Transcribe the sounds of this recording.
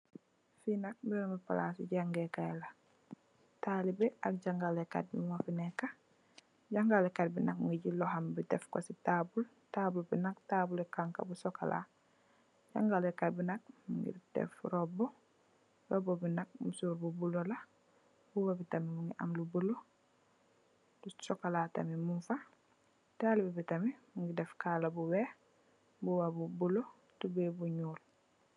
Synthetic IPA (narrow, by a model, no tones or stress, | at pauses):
finak̚binomipa̰lasḭɟaŋɡekajla | talibɛʔak̚ɟaŋɡaleka̰t̚bḭmafinekːa | ɟaŋɡalekat̚binak̚ŋɡiɟilɔɦambitɛfkositabul | tabulbinak̚tabulekaŋka̰busoka̰lʔa̰ | ɟa̰ŋɡalekat̚binak̚mṵŋɡḭɾdɛ̰fɾɔbɔ | rɔbobinak̚musuːɾbubulola | buwabitamimuŋɡiʔa̰mlubulo | tusokalata̰mimuɱfa | taːlibibitamimuŋɡidɛfkaːlabuwe | buwabubulo | tubɛbuɲuːl